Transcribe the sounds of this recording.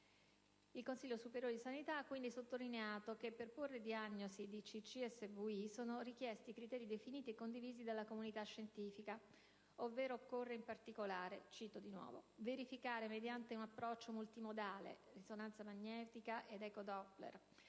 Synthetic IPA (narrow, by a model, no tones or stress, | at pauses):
ilkonsilʎːosupeɾjoːɾed̪isanit̪aakːwind̪isot̪ːolineaːt̪ok̟epːerporːed̪iaɲːozid̪it͡ʃit͡ʃːiɛsːevuisoːnorik̟jɛst̪ikɾit̪ɛːɾid̪efiniːt̪iekːond̪iviːzid̪alːakomunit̪aʃːent̪iːfika | ovːeːɾoːkːorːeimpart̪ikolaːɾet͡ʃiːt̪od̪inwɔ̰ːvo̰veɾifikaːɾemed̪jant̪eunapːɾɔt͡ʃːomult̪imod̪aːlḛrisonant̪samaɲːɛːt̪ikaʔed̪ɛkod̪ɔpːlḛr